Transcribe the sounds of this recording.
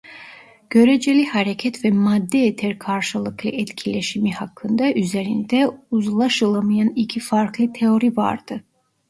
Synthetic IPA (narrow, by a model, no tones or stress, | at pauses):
ɟ̥ø̞ɾed͡ʒɛlʲihaɾecʰɛt̪vɛmad̪ːɛet̪ʰɛɾkʰaɾʃɯlˠɯklˠɯʔɛt̪cʰilʲeʃimihakʰːɯnd̪ɑʔyzeɾind̪ɛuzlˠaʃɯlˠamɯjanicʰifaɾklˠɯt̪ʰeo̞ɾiva̰ɾd̪̥ɯ